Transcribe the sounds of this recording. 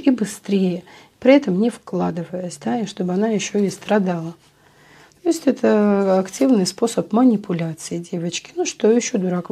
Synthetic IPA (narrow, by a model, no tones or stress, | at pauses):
ibɨst̪ɾʲejə | pɾʲɪɛt̪əmnʲɪfklˠad̪ɨvəjəsʲd̪aiʂt̪o̞bɨɐnajɪɕːo̞ɪst̪ɾɐd̪alˠə | t̪o̞ɪsʲtʲɛt̪ʰəɐktʲivnɨjspo̞səpmənʲɪpʊlʲat̪sɨjɪdʲe̞vət͡ɕkʲɪ̥nuʂt̪o̞jɪɕːod̪ʊɾak